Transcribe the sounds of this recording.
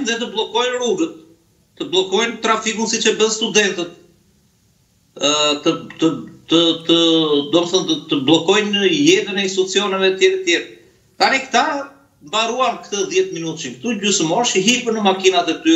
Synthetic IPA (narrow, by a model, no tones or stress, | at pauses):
nðɛt̪əblˠɔkɔjnɾuɡət̪̚ː | əblˠɔkɔjnt̪ɾafikunsit͡ʃɛbənst̪ud̪ɛnt̪ət̪̚ | t̪ət̪ət̪ət̪əd̪ɔməθɔnət̪əblˠɔkɔjnəjɛðənɛinst̪uut͡siɔnəvɛt̪jɛɾət̪jɛɾ | t̪anikt̪a | mbaɾuankt̪əðjɛt̪minut̪t͡ʃikt̪uɟysəmɔʃiɦipənəmakinat̪ɛt̪y